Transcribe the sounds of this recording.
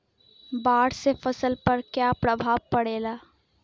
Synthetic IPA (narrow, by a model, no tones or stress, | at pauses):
baːɽsefɐsəlpɐɾkjapɾəbʱaːʋpəɽeːlaː